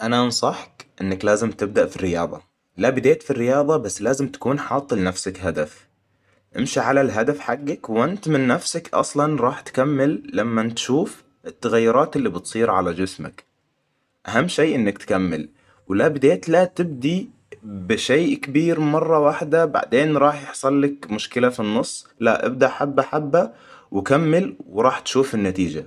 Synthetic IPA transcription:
ʔanaʔnsˤɑħkʔɪnːaklaːzɪmt̪ɪb̚d̪aʔfirːɪjɑ̰ːðˤɑ̰ | labɪd̪eːt̪firːɪjɑːðˤɑbasːlaːzɪmt̪ḁkuːnħɑːt̪ˤːɨlnafsakɦad̪af | ʔɪ̰mʃiʕalalɦad̪afħaɡːakwʔɪnt̪mɪnːafsakʔɑ̰sˤlɑnɾˤɑːħt̪kamːɪlːamːant̪ʃuːf | ʔɪt̪ːaɣajːʊɾˤɑːt̪ɪlːibɨt̪sˤiːɾʕalad͡ʒɪsma̰k | ʔaɦamːʃeːʔɪnːakt̪kamːɪ̰l | wlabɪd̪eːt̪lat̪ɪb̚d̪i | bɪʃeːkabiːɾmɑrˤːɑwaħd̪aba̰ʕd̪eːnɾˤɑːħjɪħsˤɑlːakmʊʃkɪlafinːʊsˤː | laʔɪ̰b̚d̪aʔħabːaʔħabːa | wɪkamːɪlwɾˤɑːħt̪ʃuːfɪnːat̪iːd͡ʒa

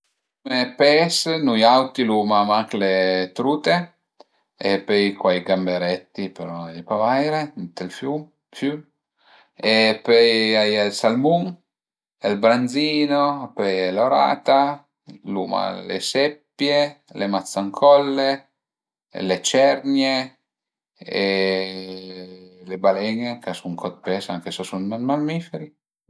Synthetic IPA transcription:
umepɛsnujawt̪iluːmamaklet̪ɾuːt̪e | epejkwajɡambeɾɛt̪ːipeɾɔpavajɾent̪elfjum | fjym | epejajelsalmuŋ | elbɾanziːnopɛjɛloɾa̰ːt̪a | luma̰lḛsepːjelemat̪sːaŋkʰɔlːe | let͡ʃɛɾnje | e | lebalɛŋekasuŋkʰɔt̪̚pesaŋkesɔsunmanmalmifeɾi

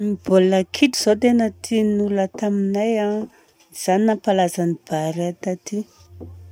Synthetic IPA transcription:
mibolakʰiʈ͡ʂiz̥ot̪enət̪ʰinulət̪aminaja | z̥aninapalazanib̥aɾat̪at̪i

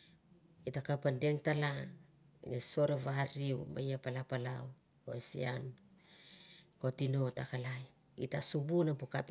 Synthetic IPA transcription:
itakapande̞ŋtala | ŋeso̞ɾavaɾiwma̰japalapalaw | o̰esḭa̰n | ko̞tino̞takalaj | itasubunapukap

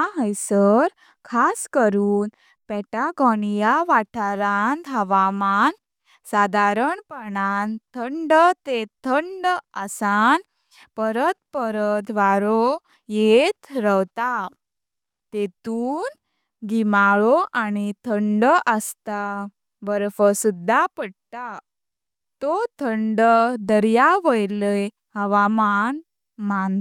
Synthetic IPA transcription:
aɦəjsəɾ | kʰaskəɾuːn | pɛʈaɡɔnijaʋaʈʰaɾand̪ʱɦəʋaman | sad̪ʱaɾəɳpəɳant̪ʰəɳɖt̪et̪ʰəɳɖəsan | pəɾət̪̚pəɾət̪ʋaɾo | jet̪ɾəwt̪a | t̪et̪uːn | ɡimaɭoʔanit̪ʰəɳɖəʔəst̪a | bəɾfəsud̪ʱːapəɽt̪a | t̪ot̪ʰəɳɖəd̪əɾjaʋəjləj | ɦəʋaman | man

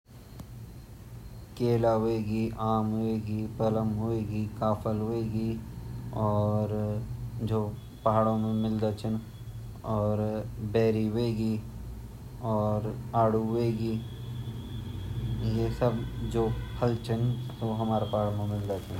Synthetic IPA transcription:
keːlaɦoeːɡiʔaːmɦoeːɡipələmɦoeːɡikaːpʰəlɦoeːɡi | ɔːɾ | d͡ʒoː | pɐɦaːɽõmẽmɪld̪at͡ʃʰən | ɔːɾbɛːɾiɦoeːɡi | ɔːɾaːɽuɦeːɡiː | jesəbd͡ʒoːhəlt͡ʃʰənsoɦɐmaːɾapaɦaɽomẽmɪld̪at͡ʃʰən

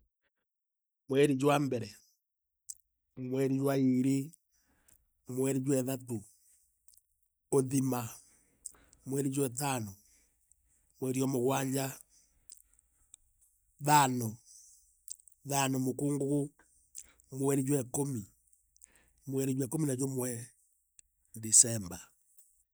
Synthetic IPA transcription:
mwɛɾid͡ʒwambɛɾɛ | mwɛɾid͡ʒwaiɾi | mwɛɾid͡ʒwɛðato | oðima | mwɛɾid͡ʒwɛtano | mwɛɾiɔmoɣwaɲd͡ʒa | ðano | ðanomokuːŋɡoɣu | mwɛɾid͡ʒwɛkomi | mwɛɾid͡ʒwɛkominad͡ʒomwɛ | disɛmba

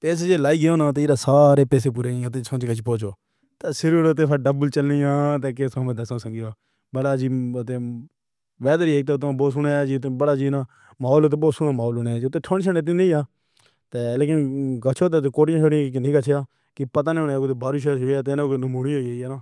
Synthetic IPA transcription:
peːs̬ed͡ʒeːlaːiːɡɪjoːnaːt̪eːɾaːsaːɾeːpɛːs̬eːp̬uːɾeːĩt̪̬eːsʰõːt͡ʃːɡət͡ʃʰːpoːt͡ʃoː | t̪eːsɪɾɾʊt̪̬eːpʰəɖəbəlt͡ʃəlnijãːt̪eːkeːsõːmẽd̪əsãːsə̃ŋɡɪaː | bəɽaːd͡ʒiːət̪ẽː | ʋɛːd̪əɾieːk̚t̪eːt̪ːboːs̬ʊɳeːd͡ʒiːʊt̪ːẽːbəɽaːd͡ʒiːnãː | maːoːloːt̪̬eːboːt̪sʊnaːmaːoːloːned͡ʒʊt̪ːẽːʈʰoːnt͡ʃənet̪ĩːnẽaː | t̪eːleːk̬ɪnɡət͡ʃʰoːt̪̬eːt̪̬eːkoːʈɪjãːt͡ʃʰoːɽɪãːkːkɪnĩːɡət͡ʃʰjaː | kɪpət̪aːnẽːoneːkot̪eːbaːɾuːʃəɦoːiaːt̪eːnːkːnəmuːɽiːɦoːieːiːɛːnaː

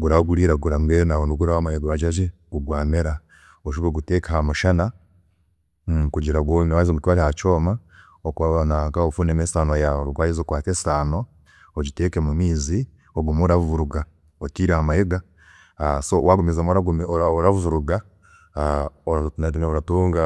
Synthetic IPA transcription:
ɡuɾaɡuɾiːɾaɡuɾaŋɡenawonduɡuɾawamajeɡaβaɟaʒe | ɡuɡwaːmeɾa | oʃ̬uβoɡutekehamuʃana | kuɟiɾaɡowaizoɡutwaːɾehat͡ʃoːma | okanakaofuːnemesaːnoajaɾukwaːjizokwaːtesi̥aːno | oɟiteːkemumiːzi | oɡumoɾavuɾuɡa | otiːɾehamajeɡa | sowaɡumizamoɾaɡumooɾavuvuɾuɡa | onatimeoɾatuːŋɡa

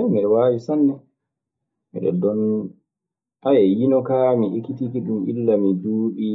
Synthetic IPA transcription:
miɗɛwaːwisanːɛ | mḭɗɛ̰dɔn | ʔajɛjinɔkamiʔekitikiɗumḭlːamiduːɗi

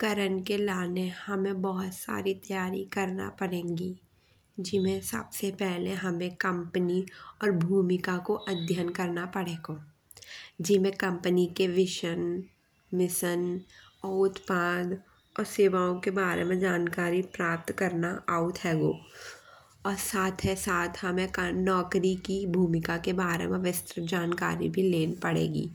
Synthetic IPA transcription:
kɐɾənkelaːnehɐmẽbɔɦʊt̪sa̰ːɾit̪ɐjaːɾḭkɐɾna̰pɐɽẽːŋɡi | d͡ʒɪmẽsə̰bsepɛɦleɦɐmẽkɐ̃mpəniɔːɾbʱuːmɪkakoʔɐd̪ʱjənkɐɾnapɐɽeːɡoː | d͡ʒɪmẽkɐ̃mpənikeʋɪʃən | ʋɪsən | ɔːʊt̪paːd̪ | ɔːɾseːʋaːõkebaːɾḛmẽd͡ʒaːnkaːɾipɾaːp̚t̪kəɾnaʔaːʊt̪ʰɦɛːɡoː | ɔːɾsaːt̪ʰɦɛsaːt̪ʰhɐmẽknɔːkɾikibʱuːmɪkakebaːɾḛmẽʋɪst̪ɾəd͡ʒaːnka̰ːɾḭbʱileːnpəɽḛːɡḭː

